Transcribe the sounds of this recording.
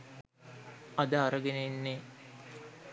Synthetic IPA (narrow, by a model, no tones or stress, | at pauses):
ad̪əaɾəɡenenːe